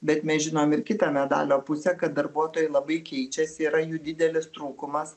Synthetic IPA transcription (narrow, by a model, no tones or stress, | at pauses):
bʲɛt̪mʲɛsʲʒʲɪnoːmɪɾkʲɪt̪ɐmʲɛd̪ɑ̰ːlʲoːpʊsʲɛkɐt̪̚d̪ɐɾbuɔt̪oːjɛɪlˠɐbɐɪkʲɛɪt͡ʃʲɛsʲɪiːɾɐjuːd̪ʲɪd̪ʲɛlʲɪst̪ɾuːkʊmɐs